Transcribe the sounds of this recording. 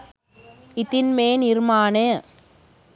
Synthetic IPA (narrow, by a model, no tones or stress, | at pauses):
ɪt̪ɪnmeːnɪɾmaːne